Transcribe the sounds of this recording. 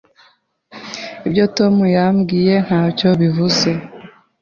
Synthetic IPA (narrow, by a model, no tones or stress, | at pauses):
ibjo̞to̞mujamɡiːje̞n̥haːco̞βivuze̞